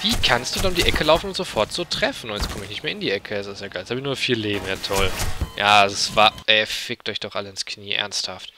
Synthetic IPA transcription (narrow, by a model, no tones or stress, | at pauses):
viːkʰanstd̥udanʊmdiːʔɛkʰəlaʊfn̩ʊntz̥ofɔɐtz̥oːtʁ̥ɛfn̩ʊntjɛt͡skʰɔməɪçnɪçtmeːɐɪndiːʔɛkʰəɛsdɪsjaːɡaɪlɛshabɪçnuːɐfiːɐleːbm̩jatʰɔljaːzsv̥aʔɛfɪk̚tʔɔʏçd̥ɔχʔaləɪnskniːʔɛ̰ɐnsthaft